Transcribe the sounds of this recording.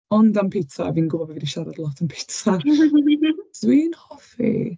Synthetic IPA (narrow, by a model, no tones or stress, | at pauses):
ɔndampʰitʰaɛ̰viːnɡʊbɔbɛvɪdiʃaɾa̰dlˠɔtʰanpʰi̥tʰa | z̥wiːnhɔfḭ